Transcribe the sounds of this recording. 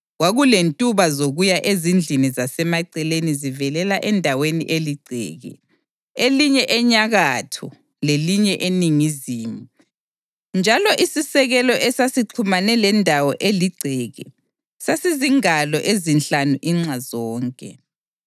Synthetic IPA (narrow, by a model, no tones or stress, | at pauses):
ɣwaɣulentʼuβazoɣujaʔezind͡ɮʱinizasɛmaǀɛlenizivɛlɛlaʔɛndʱawenḭʔeliɡ͡ǀʱɛ̰ːɣɛ̰ | eliɲɛʔɛɲaɣatʰɔ̰ | leliɲɛʔeniŋiziːmu | nd͡ʒʱalɔʔisisɛɣɛlɔʔɛsasiǀʰumanɛlɛndʱawɔʔeliɡ͡ǀʱɛɣɛ | sasiziŋalɔʔezinɬanuʔiŋ͡ǀazɔːŋkʼɛ̰